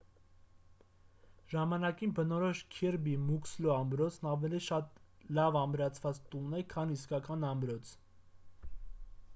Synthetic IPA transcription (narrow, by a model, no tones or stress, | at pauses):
ʒɑmɑnɑkinbənɔɾɔʃkʰɛɾbimukslɔɑmbɾɔt͡sʰnɑvɛliʃɑt̪ | lɑvɑmɾɑt͡sʰvɑt͡st̪unɛkʰɑniskɑkɑnɑmbɾɔt͡sʰ